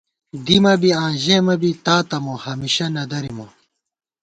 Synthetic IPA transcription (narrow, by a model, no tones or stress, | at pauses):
d̪imɐbiãːʑeːmɐbit̪aːt̪ɐmohɐmiɕɐnɐd̪ɐɾimo